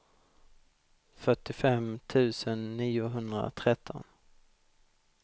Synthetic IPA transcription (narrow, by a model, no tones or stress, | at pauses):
fœʈːɪfɛmt̪ʰʉ̟ːsənːiːʊɦɵnd̪ɾa̰t̪ʰɾɛt̪ʰːɔ̰n